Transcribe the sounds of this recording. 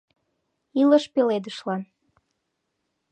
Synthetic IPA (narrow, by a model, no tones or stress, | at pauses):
iləʃpeled̪əʃlɑn